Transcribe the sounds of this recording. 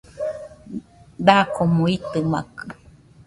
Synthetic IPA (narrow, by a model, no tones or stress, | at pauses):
d̪akomõit̪ɨma̰kɨ